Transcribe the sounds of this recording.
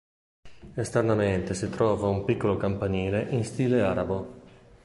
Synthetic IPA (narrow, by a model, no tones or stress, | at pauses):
est̪ernament̪esit̪ɾɔːvaumpikːolokampaniːleʔinst̪iːleaːɾabo